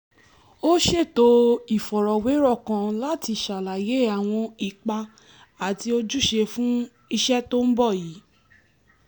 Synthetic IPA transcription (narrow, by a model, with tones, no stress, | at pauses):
o˦ʃe˦˨to˦i˦˨fɔ˨ɾɔ˨we˨˦ɾɔ˦˨kã˧la˦ti˧˨ʃa˨la˨je˨˦a˨w̃ɔ̃˧i˨k͡pa˧ | a˨ti˧o˧d͡ʒu˦˨ʃe˧fũ˦ | i˧ʃɛ˦to˦n̩˦bɔ˦˨jiː˨˦